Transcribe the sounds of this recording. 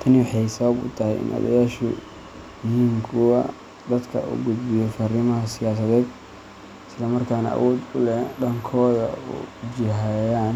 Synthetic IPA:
t̪ʰɐnɪwħɑjsɐβɐbʊ̰t̪ʰɐhɛjɪ̰nʔɐ̰ðɐ̰jaːʃʊ | jɪɦiːŋkʰʊɐ̰ | d̪ɐd̪kʰɐ̰ṵːɡʊd̪bɪjɔfɐrɪmɐɦɐsɪjaːsɐðɛːd̪ | ɪslɐmɐrkʰaːnɐ̰ʔɐ̰wɔːd̪ʊlɛɖɐŋkʰɔːðɐ̰ṵd͡ʒɪɦajaːn

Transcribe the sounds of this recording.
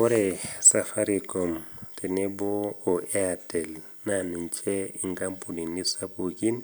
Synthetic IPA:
ɔɾɛsafaɾikɔmtɛnɛbɔːɛatɛl | naniɲt͡ʃɛiŋɡampuninːisapoɡin

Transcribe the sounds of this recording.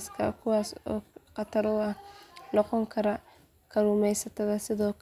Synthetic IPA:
skʰɐ̰kʰʊwɑːsɔ̰ːqɑt̪ʰɐɾʊːɐhnɔqɔŋkʰɐɾɐ | kʰɐɾuːmɛjsɐt̪ʰɐðɐsɪðɔːkʰ

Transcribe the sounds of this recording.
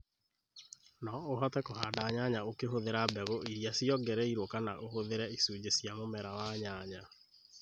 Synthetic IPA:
nɔoɦɔtɛkoɦaːdaːɲaɲaokeɦoðeɾabɛɣoʔiɾjasiɔɡɛɾɛiɾokana̰ʔohoðeɾɛisuːd͡ʑesjamomɛɾawaɲaɲa

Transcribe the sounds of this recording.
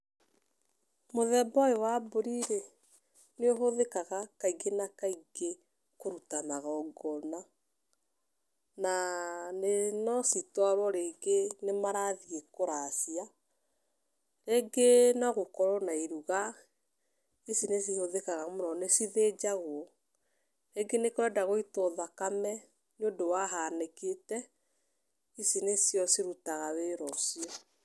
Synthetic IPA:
moðɛbɔewaboɾiɾe | neoɦoðekaɣakaiɡenakaiɡe | koɾutanaɣaɔɡɔna | nanenɔsitaɾwɔɾeɡenemaɾaðiekoɾasia | ɾeɡenɔɣokɔɾɔnaiɾuɣa | isines̬ihoðekaɣamonɔnesiðed͡ʒaɣwɔ | ɾeɡenekoɾɛdaɣoitɔðakamɛ | neodowaɦaneketɛ | isinesjɔsiɾutaɣaweɾɔsiɔ

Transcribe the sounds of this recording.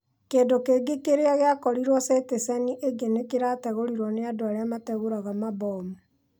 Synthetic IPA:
keːndokeɡekeɾeaɣeakɔɾiɾwɔsetesaniʔeɡenekeɾatɛɣoɾiɾwɔneadoaɾeamatɛɣoɾaɣamabɔmu

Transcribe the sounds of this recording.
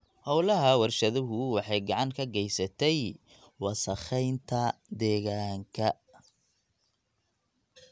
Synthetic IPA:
hɔwlɐɦɐwɑrʃɐðʊɦʊwɑħɑjɡɑʕɑŋkʰɐɡɛjsɐt̪ʰɛj | wɑsɐχɛjnt̪ʰɐd̪ɛːɣaːŋkʰɐ

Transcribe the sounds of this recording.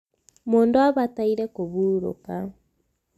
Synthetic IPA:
moːndoaβataiɾɛkoβuɾo̰ka

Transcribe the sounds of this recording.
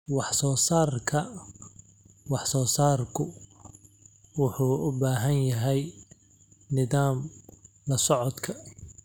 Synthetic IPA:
wɑħsɔːsaːrkʰɐ | wɑħsɔːsaːrkʰʊ | wʊħuːʊbaːɦɐnjɐɦɛj | nɪðaːm | lɐsɔʕɔd̪kʰɐ

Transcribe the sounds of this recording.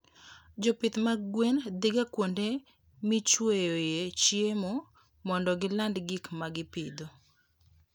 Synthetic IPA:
d͡ʒɔpɪt̪maɡwend̪iɡakwonde | mit͡ʃwejojet͡ʃjemo | mɔndɔɡɪlandɡikmaɡɪpɪ̰d̪o

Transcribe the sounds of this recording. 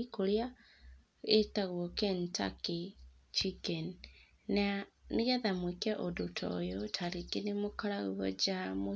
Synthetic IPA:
ikoɾja | etaɣwɔkɛnta̰ke | t͡ʃikɛn | naneɣaðamwekɛʔodotʰɔ̰jɔtʰaɾikenemokaɾaɣuɣɔ̰d͡ʒamo

